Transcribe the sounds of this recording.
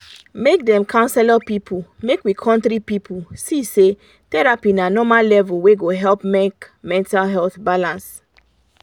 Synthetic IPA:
mek̚dɛ̃mkʰãʊ̃nsɛlɔpipʰumekwikʰɔ̃ntɾipipʰusise | tɛɹapinanɔmallɛvulweɡoɦɛlpmekmɛ̃ntalɦɛlθbalãns

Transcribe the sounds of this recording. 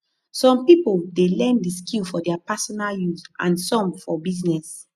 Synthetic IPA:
sɔ̃mpipoldelɛ̃ndiskilfɔdɛapasɔnaljuzã̰nsɔ̃mfɔbiznɛs

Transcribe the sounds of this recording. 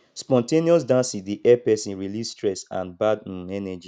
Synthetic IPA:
spɔ̃nteniɔsdãnsĩdiʔɛpɛsĩnɹilisstɹɛsã̰nbadnnɛnɛd͡ʒi

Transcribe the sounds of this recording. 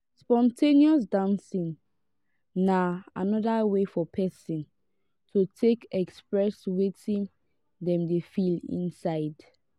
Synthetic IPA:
spɔ̃ntʰeniɔsdãnsĩnː | aanɔdawefɔpʰɛsĩn | tʰutʰekɛkspɹɛswetĩn | dɛ̃mdefilḭ̃nsaɪd

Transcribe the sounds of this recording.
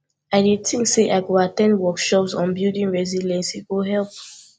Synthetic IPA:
aɪdid̚tĩŋkseʔaɪɡoatɛ̃ndwɔkʃɔpsɔ̃nbildĩnɹɛzilɛ̃nsiɡoɦɛlp̚

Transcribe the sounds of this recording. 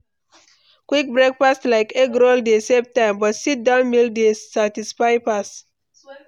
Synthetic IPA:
kwik̚bɹek̚pastlaɪkeɡɾoldesep̚tãɪ̃mbɔtsit̚dãʊ̃nmildesatisfaɪpas

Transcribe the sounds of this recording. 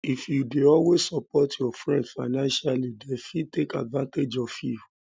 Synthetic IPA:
ifjudeɔwessɔpɔtjɔfɹɛ̃ndfanãnʃalidefitekadvãnted͡ʒɔfjuju

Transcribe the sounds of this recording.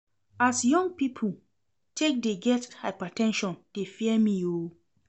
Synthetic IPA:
asjɔ̃ŋɡpipʰo | tʰek̚deɡɛthaɪpatʰɛ̃nʃɔ̃nd̥efiɛmĩo

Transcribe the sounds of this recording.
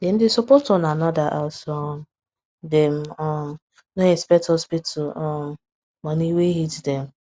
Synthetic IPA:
dem̩dɪsopotɔnanɔdaʔasɔm | dɛm̩ɔ | noĩspɛtɔspitʊɔm | maniweɦitdɛm̩

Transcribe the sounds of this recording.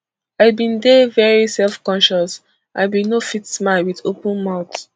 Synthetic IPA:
aɪbĩndevɛɹisɛlfkɔ̃nʃɔs | ʔã̰ɪbĩnofitsmaɪlwiðopũnmaʊt

